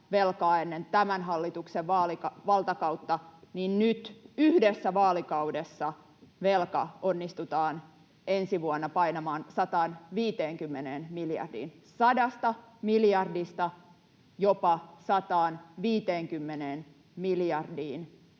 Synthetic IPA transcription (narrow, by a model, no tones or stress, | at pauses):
ʋelkɑːenːent̪æmænɦɑlːit̪ukseʋʋɑːlikɑʋɑlt̪ɑkɑut̪ːɑninnyt̪yhdesːæʋɑːlikɑudesːɑ | ʋelkɑ̰onːist̪ut̪ɑːn | ensiʋuonːɑpɑinɑmɑːnsɑt̪ɑːnʋiːt̪eːŋkymːeneːnmiljɑ̰rdḭːn | sɑdɑst̪ɑmiljɑrdist̪ɑ | jopɑsɑt̪ɑːnʋiːt̪eːŋkymːeneːn | miljɑrdiːn